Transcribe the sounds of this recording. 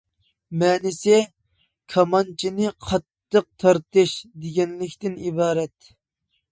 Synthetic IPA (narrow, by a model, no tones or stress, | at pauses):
mɛːnɪsɪ | kʰɑmɑnt͡ʃʰinɨqʰɑt̪ːəq̚t̪ʰɑɾt̪ɨʃd̪eɡʲɛnlɪkʲt̪ɪnibɑːɾɛt̪